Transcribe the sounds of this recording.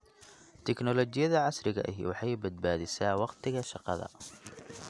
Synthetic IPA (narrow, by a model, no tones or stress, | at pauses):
t̪ʰɛknɔlɔt͡ʃɪjɐðɐʕɑsɾɪɣɐ̰ʔɐɦɪ̰wɑħɑjbɐd̪̚baːðɪsaːwɑqt̪ʰɪɣɐʃɑqɑ̰ðɐ̰